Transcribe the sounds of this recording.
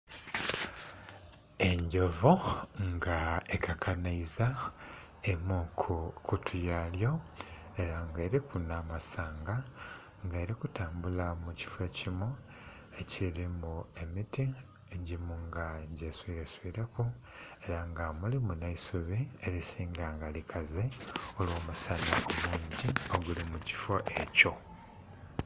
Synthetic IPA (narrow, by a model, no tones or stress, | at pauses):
e̞ɲɟovoŋɡaekʰakʰanaiza | emukʰkutʰujaljo̞ | e̞ɾaŋɡe̞ːɾikunamasaːŋɡa | ŋɡeːɾikutaːmbulamuci̥fwecimo | e̞cʰiɾimue̞miti | eɟimuŋɡaɟe̞swiɾeswiɾeku | e̞ɾaŋɡamulimunaisuβie̞ɾisiːŋɡaŋɡalikʰazeolwoːmusanaʔomuːɲɟioɡulimuci̥fo̞ʔe̞co̞